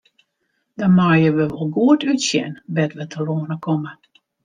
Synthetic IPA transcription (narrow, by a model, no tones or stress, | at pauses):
dɔnmaːjəʋəʋɔlˠɡuətytsjɛ̰nbɛtʋətʰəloːnəkʰɔmə